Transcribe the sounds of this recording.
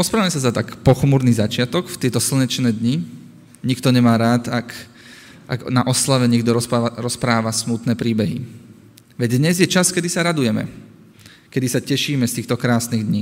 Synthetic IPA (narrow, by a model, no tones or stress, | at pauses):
ɾɔspɾaʋamɛsazat̪akpɔxmuɾnizat͡ʃɪat̪ɔkft̪ɪɛt̪ɔsl̩ɲɛt͡ʃnɛːd̪ɲi | ɲikt̪ɔɲɛmaːɾaːt̪ak | ʔa̰ɡnaʔɔslaʋɛɲɛɡd̪ɔɾɔɾɔspɾaːʋasmut̪nɛːpɾiːbɛɦḭ | ʋɛɟd̪ɲɛzjɛt͡ʃaskɛd̪isaɾad̪ujɛmɛ̰ | kɛd̪isacɛʃiːmɛst̪iːxt̪ɔkɾaːsniːɣd̪ɲiː